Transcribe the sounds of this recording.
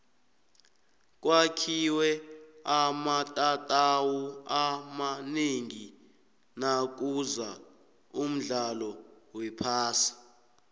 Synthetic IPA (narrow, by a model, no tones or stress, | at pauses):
k̬ʼwakʰiwɛamatʼatʼawuamaneŋi | nak̬ʼuza | um̩ɮalɔwɛpʰaːsḁ